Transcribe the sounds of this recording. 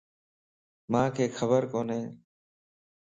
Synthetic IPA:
mãːkʰeːxʰəbəɾkoːnɦẽː

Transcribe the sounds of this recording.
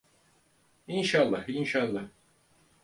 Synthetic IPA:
inʃalˠːɑhinʃalˠːɑh

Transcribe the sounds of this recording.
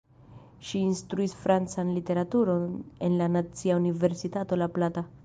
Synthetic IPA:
ʃiːnstɾuisfɾant͡sanlite̞ɾatuɾo̞ne̞nlanat͡siaunive̞ɾsitato̞laplata

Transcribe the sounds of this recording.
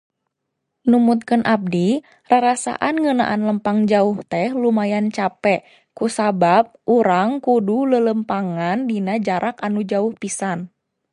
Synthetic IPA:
numut̪̚kənʔab̚di | raɾasa̰ʔanŋəna̰ʔanləmpaŋd͡ʒauht̪ɛhlumajant͡ʃapɛʔ | kusabap̚uɾaŋkudulələmpaŋandinad͡ʒaɾʔakanud͡ʒauhpisan

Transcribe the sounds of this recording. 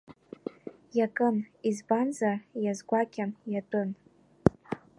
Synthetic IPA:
jakʼɨmizbanzarjazɡʷakʲʰʼamjatʼɨn

